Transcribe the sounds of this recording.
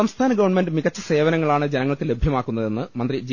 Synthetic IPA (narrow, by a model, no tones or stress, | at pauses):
ɐmst̪ʰaːnɐɡɐʋɐɳme̞ndɖɨmiɣɐt͡ɕːɐse̞ːʋɐnɐŋːɐɭaːɳɨd͡ʑenɐŋːɐɭkɨle̞bʱjɐmaːkːunːɐðe̞nːɨmɐnd̪rid͡ʑi